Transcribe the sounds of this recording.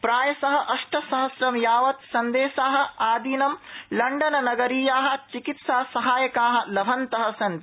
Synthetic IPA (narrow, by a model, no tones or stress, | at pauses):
pɾaːjɐsɐɦɐ̆ʔɐʂʈʰɐsɐɦɐsɾɐmjaːʋɐt̪sɐnd̪eːʃaːɦɐ̆aːd̪inɐmlɐɳɖɐnɐnɐɡɐɾiːjaːɦɐ̆t͡ʃikit̪saːsɐɦaːjɐkaːɦɐ̆lɐbʱɐnt̪ɐɦɐ̆sɐnt̪